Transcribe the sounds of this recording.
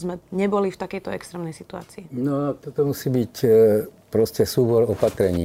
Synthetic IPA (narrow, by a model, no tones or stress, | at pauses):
zmɛɲɛbɔlift̪akɛjt̪ɔɛ̰kst̪ɾɛːmnɛjsit̪ua̰ːt͡siːnɔat̪ɔt̪ɔmusiːbic | pɾɔscɛsuːbɔɾɔpat̪ɾɛɲḭː